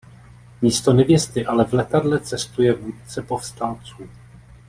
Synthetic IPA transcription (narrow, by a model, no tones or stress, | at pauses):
miːst̪o̞nɛvjɛst̪ɪʔalɛvlɛt̪adlɛt͡sɛst̪ujɛvuːt̪̚t͡sɛpo̞fst̪alt͡suː